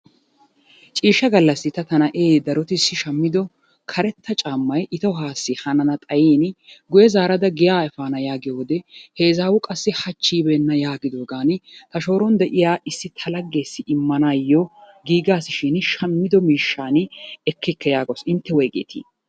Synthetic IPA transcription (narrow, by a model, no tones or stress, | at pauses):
t͡ʃʼiːʃːɐɡɐlːɐsːɪt̪ɐt̪ɐnɐʔeːd̪ɐɾɔt̪ɪsːɪʃɐmːɪd̪ɔ | kʰɐɾɛt̪ːɐt͡ʃʼaːmːɐjʔɪt̪ɔɦaːsːɪhɐnɐnɐt̪ʼɐjeːnɡʊjɛzaːɾɐd̪ɐɡɪjaːɛfaːnɐjaːɡɪjoːd̪ɛhe̞ːzaːwʊkʼɐsːɪhɐt͡ʃːiːbɛnːɐjaːɡɪd̪oːɡaːnɪt̪ɐʃo̞ːɾɔnd̪ɛʔɪjaːʔɪsːɪt̪ʰɐlɐɡːe̞ːsːɪʔɪmːɐnaːjːɔ | ɡiːɡaːsɪʃɪnʃɐmːɪd̪ɔmiːʃːaːnɛkːɪkːɐjaːɡɔsɪnt̪ːɛwɔjkʼḛːt̪ḭː